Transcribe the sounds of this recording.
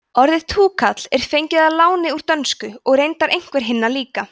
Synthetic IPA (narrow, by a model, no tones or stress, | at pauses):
ɔɾðɪðt̪ʰuːkʰat̪l̥ɛɾ̥fejɲcɪðalaːwnɪuɾ̥t̪œnskʏɔɣrejnt̪aɾʔejŋ̥kvɛɾ̥ɦɪnːaliːka